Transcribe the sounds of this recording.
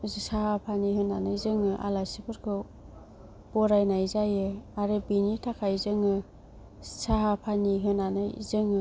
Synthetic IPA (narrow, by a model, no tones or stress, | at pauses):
zsahapʰaniɦɯnanɯjzɯŋɯʔa̰lajsipʰɯɾkʰɯ | b̥ɔɾajnajzajɯaɾebinitʰakʰajzɯŋɯ | saɦapʰaniɦɯnanɯ̰jzɯŋɯ